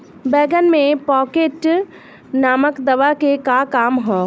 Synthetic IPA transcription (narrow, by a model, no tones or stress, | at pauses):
bɛːɡənmẽpɔːkeːʈ | naːməkd̪ɐʋakekakaːmɦɛː